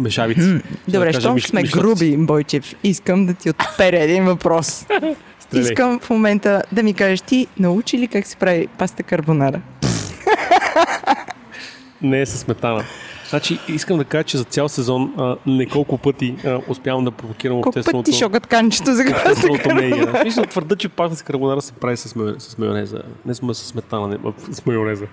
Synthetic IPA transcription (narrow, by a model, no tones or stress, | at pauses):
mɛʃavit̪ɛd̪obɾɛʃaʒiʃmɛɡɾubibɔjt͡ʃɛfiskəmd̪ɐt̪iot̪pɛɾɛd̪invɐpɾɔs | st̪ɾisɛkəmfmomɛnt̪əd̪ɐmikaʒəʃt̪inɐut͡ʃilikaksɛ̥pɾavipast̪əkɐɾbonaɾə | nɛsɐsmɛt̪anəznat͡ʃiiskəmd̪ɐkaʒət͡ʃɛzɐt̪sʲjalˠsɛzɔnənɛkolˠkʊpɤt̪iəʊspʲjavɐmd̪ɐpɾovokiɾɐmkɔt̪ɛspəot̪iʃʃɔkət̪kanit͡ʃɛ̥t̪ozɐkɛsot̪ɾbɛonamist̪vəɾd̪ət͡ʃɛpast̪əsi̥kəɾbonaɾəsɛ̥pɾavisɐsmɛsɐ̥smɛo̰nɛzə̰nɛsmsɐ̥smɛt̪anənɛ̰smɛoɾɛzə